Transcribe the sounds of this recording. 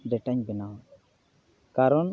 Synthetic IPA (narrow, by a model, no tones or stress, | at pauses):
ɖɛʈaɲbɛnaw | kaɾɔn